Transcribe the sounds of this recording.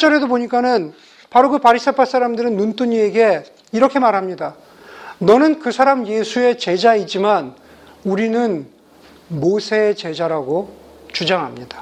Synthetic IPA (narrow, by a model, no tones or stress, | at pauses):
t͡ɕ͈ʌɾe̞dopoɲik͈anɯn | paɾokɯpaɾis͈ʰepʰas͈aɾamdɯɾɯnːunt͈ʰuɲieɡe̞ | iɾʌkʰe̞maɾɦamɲida | nʌnɯnkɯsʰaɾamje̞sʰue̞t͡ɕe̞d͡ʑaid͡ʑiman | uɾinɯn | mosʰe̞ːt͡ɕe̞d͡ʑaɾaɡo | t͡ɕud͡ʑaŋɦamɲid̥a